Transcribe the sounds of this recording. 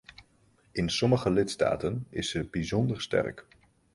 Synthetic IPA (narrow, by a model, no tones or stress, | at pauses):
ɪnsɔməχəlɪtsta̰ːtənɪ̰səbizɔndəɹstɛ̰ɹk